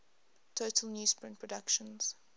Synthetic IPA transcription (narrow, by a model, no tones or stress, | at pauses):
tʰoʊtʰəl̩ˠnjuːspʰɹɪ̃ntpʰɹ̥ədakʃə̃nz̥